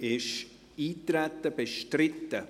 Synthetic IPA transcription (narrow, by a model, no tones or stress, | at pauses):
ʔɪʃ | iːtɾɛtːəbeʃtrɪtə